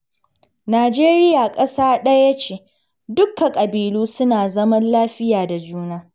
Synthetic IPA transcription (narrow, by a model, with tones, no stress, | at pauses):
naː˨d͡ʒeː˦ɾɪ˦jaː˨kʼɐ˦saː˦ɗɐ˦ja˦t͡ʃeː˨ | dʊ˦kːa˨kʼɐ˨biː˨luː˦sʊ˦naː˨zɐ˦mɐ˦nlaː˦ɸɪ˦jaː˨da˨d͡ʒuː˦naː˦